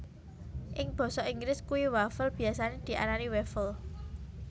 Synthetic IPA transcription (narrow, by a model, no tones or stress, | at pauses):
ʔɪŋb̥ɔ̤sɔʔiŋɡɾɪskuwiwafəlb̥i̤asaned̪̥i̤ʔa̰naniwɛfəl